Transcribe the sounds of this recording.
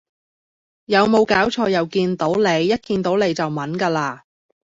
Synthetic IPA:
jɐ˨˧wmo˨˧wkaː˨˥wt͡ʃʰɔː˧jɐ˨wkiː˧nt̪o˨˥wle˨˧jːɐ˥t̚kiː˧nt̪o˨˥wle˨˧jt͡sɐ˨wmɐ˨˥nkaː˧laː˧

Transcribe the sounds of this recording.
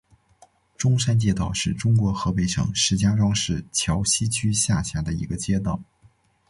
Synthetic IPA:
ʈ͡ʂʊ˥ŋʂa˥nt͡ɕjɛ˥˧t̪ɑ˥˧ʊʂɻ̩˥˩ʈ͡ʂʊ˥ŋkwɔ˧˥xɤ˧˥pe˧˥˩ɪʂɤ̰˨˩˦ŋʂɻ̩˧˥t͡ɕja˥ʈ͡ʂwɑ˥ŋʂɻ̩˥˩t͡ɕʰjɑ˧˥ʊɕi˥t͡ɕʰy˥ɕja˥˩ɕja˥d̪ə˨ḭ˧˥ɡə˧t͡ɕjɛ˥t̪wɑ˥˩ʊ

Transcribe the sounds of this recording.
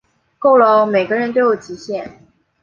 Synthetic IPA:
ko˥˩ʊlo˧˥ʊme˨˩ɪɡə˦ɻə˧˥nt̪̬ʊjo˨˩ʊt͡ɕi˧˥ɕjɛ˥˩n

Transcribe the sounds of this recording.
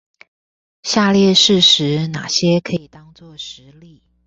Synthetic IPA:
ɕja˥˧ljɛ˥˧ʂɻ̩˥˩ʂɻ̩˧˥na̰˨˩ɕjɛ˥kʰɤ˧˥i˨˩t̪ɑ˥ŋt͡swɔ˥˩ʂɻ̩˧˥li˥˩

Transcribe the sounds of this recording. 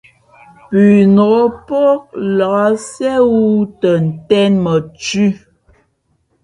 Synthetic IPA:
pʉ˨nɔ˨o˦po˦k̚la˨a˦sɛ˦wu˦tə˨n̩˨tɛ˦nmə˨t͡ʃʉ˦

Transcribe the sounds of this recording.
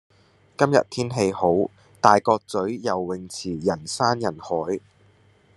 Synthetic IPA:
kɐ˥mjɐ̰˨˩t̚t̪ʰiː˥nɦe˧jho˨˥w | t̪aː˨jkɔː˧k̚t͡sɵ˨˥ɥjɐ˨˩wːɪ˨˩ŋt͡sʰiː˨˩jɐ˨˩nsaː˥njɐ˨˩nhɔː˨˥j

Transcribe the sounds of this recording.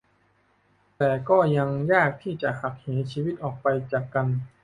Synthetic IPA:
t̪ɛː˨˩kɔː˥˩ja˧ŋjaː˥˩k̚t̪ʰiː˥˩t͡ɕa˨˩ʔha˨˩k̚heː˩˦t͡ɕʰiː˧wi˦˥˩t̪̚ʔɔː˨˩k̚pa˧jt͡ɕaː˨˩kːa˧n

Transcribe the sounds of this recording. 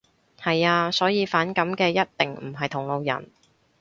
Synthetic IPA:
hɐ˨jaː˧sɔː˨˥jiː˧faː˨˥nkɐ˨˥mkɛː˧jɐ˥t̚t̪ɪ˨ŋm̩˨˩ɦɐ˨jt̪ʰʊ˨˩ŋlo˨˧wjɐ̰˨˩n

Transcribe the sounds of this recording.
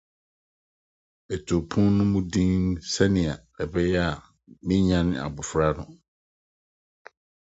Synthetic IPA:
ɛ˨tʰo˨pʰũ˦nnʊ̃˦mũ˦dĩ˦n˦sɛ˦nɪ̃˨a˨ | ɛ˨bɛ˦jɛ˦a˨ | mɪ̃˦ɲã˦n˦a̰˨bʊ˨fɾa˦nʊ̰̃˨

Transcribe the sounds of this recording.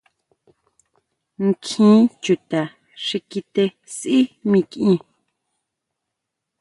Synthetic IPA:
ŋ˦˨kʰĩː˦t͡ʃu˨t̪a˨ | ʂi˧ki˧t̪e˧ | sʔi˦mĩ˧kʔĩ˧

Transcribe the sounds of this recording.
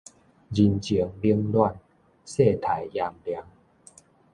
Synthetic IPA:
d͡ʑi˧nt͡ɕi˨˦əŋli˦əŋlwa˥˧n | se˥˧t̪ʰa˨˦jja˧mlja˨˦ŋ

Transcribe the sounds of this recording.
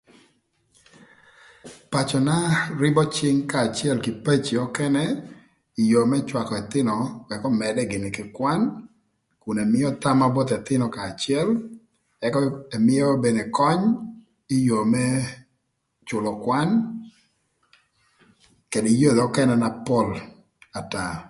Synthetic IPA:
pa˨t͡ʃɔ˨na˦ɾɪ˦bɔ˦t͡ʃɪ˦ŋkaː˨t͡ʃɪ˦ɛ˦lkɪ˨pe˦t͡ʃi˨ɔ˦kɛ˦nɛ˦ | i˨jo˨mɛ˦t͡ʃwa˨kɔ˨ɛ˨t̪ɪ˦nɔ˨ɛ˨kɔ˦mɛ˨dɛ˦ɡɪ˨nɪ˨kɪ˨kwa˦n | ku˨nɛ˨mɪ˦ɔ˦ta˦ma˦bɔ˦t̪ɛ˨t̪ɪ˦nɔ˨kaː˨t͡ʃɪɛ˦l | ɛ˨kɔ˦ɛ˨mɪ˦ɔ˦be˨ne˨kɔ˦ɲ | i˦jo˨mɛ˦ | t͡ʃʊ˨lɔ˨kwa˦n | ke˨dɔ˨i˨˦jo˦˨dɔ˦kɛ˦nɛ˦na˦pɔ˦l | a˨ta˨

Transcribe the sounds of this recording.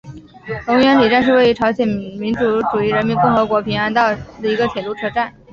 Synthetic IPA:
lʊ˧˥ŋɥɛ˧˥nli˨˩ʈ͡ʂa˥˧nʂɻ̩˥˧we˥˩ɪy˧˥ʈ͡ʂʰɑ˧˥ʊɕjɛ˨˩nmi˧˥nʈ͡ʂu˧˥ʈ͡ʂu˨˩i˧˥ɻə˧˥nmi˧˥nkʊ˥˩ŋxɤ˧˥kwɔ˧˥pʰi˧˥ŋa˧˥nt̪ɑ˥˩ʊd̪ə˩i˧˥ɡə˧t͡ɕʰjɛ˨˩lu˥˩ʈ͡ʂʰɤ˧˥ʈ͡ʂa˥˩n

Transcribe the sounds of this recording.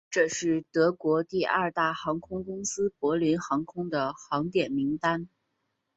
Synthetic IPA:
ʈ͡ʂɤ˥˧ʂɻ̩˥˩t̪ɤ˧˥kwɔ˧˥t̪i˥˧ʔa˞˥˧t̪a˥˩xɑ˧˥ŋkʰʊ˥ŋkʊ˥ŋsɹ̩˥pwɔ˧˥li˧˥nxɑ˧˥ŋkʰʊ˥ŋd̪ə˨xɑ˧˥ŋt̪jɛ˨˩nmi˧˥ŋt̪a˥n

